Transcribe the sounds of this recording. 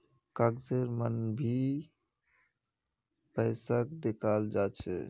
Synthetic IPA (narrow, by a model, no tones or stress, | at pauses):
kəɡd͡ʒeɾmənbʱi | pəɪsəkd̪ekʰald͡ʒat͡ʃʰɛ̰